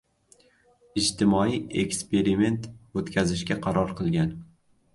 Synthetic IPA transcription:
ɪd͡ʒt̪ɪmɒiekʲspe̞ɾime̞nt̪ot̪kʲʰazɪʃkʲaqʰɑɾɒɾqʰɨlˠɡʲan

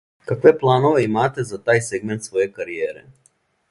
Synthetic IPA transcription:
kakʋeplˠaːnoʋeimaːt̪ezat̪aːjseɡment̪sʋojekaɾijeːɾḛ

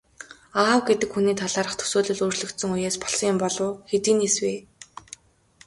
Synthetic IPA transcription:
aːwɡet̪ɘ̆kxuniːt̪ʰaɮaːɾə̆χt̪ʰɵ̥soːɮɵ̆ɮuːrt͡ɕɮɵ̆kt̪sɵ̆ŋujeːspɔ̥ɮsɞ̆ŋʊmpɔɮʊːxet̪iːnisweː

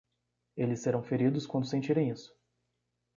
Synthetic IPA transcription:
elɪseɾɐ̃w̃feɾid̪ʊskwɐ̃nd̪ʊsẽnt͡ʃiɾẽj̃isʊ̥

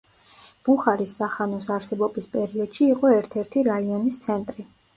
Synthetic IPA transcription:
b̥uχaɾisːaχanɔs̬aɾsɛbɔbispʼɛɾiɔd̪̥ʃiːqʼɔɛɾt̪ʰɛɾt̪ʰiɾaiɔnist̪sʰɛnt̪ʼɾi

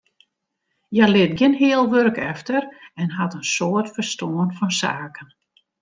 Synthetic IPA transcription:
jɛlɪt̚ɡɪnɦɪəlˠʋørkɛftərɛnɦatənsoətfərstoənfɔnsa̰ːkən

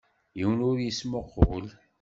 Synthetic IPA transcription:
jiwənʊɾjismoqːʊ̰l

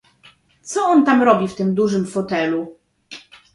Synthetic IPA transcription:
t̪sɔɔnt̪amɾɔbʲift̪ɘmd̪uʐɘmfɔt̪ɛlu

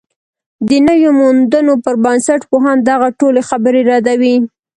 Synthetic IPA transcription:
d̪ənəwjomund̪ənopəɾbansaʈpoɦɑnd̪aɣaʈolexabəɾeɾɑd̪awi

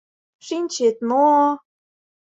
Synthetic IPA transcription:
ʂinʲt͡ɕet̪mo

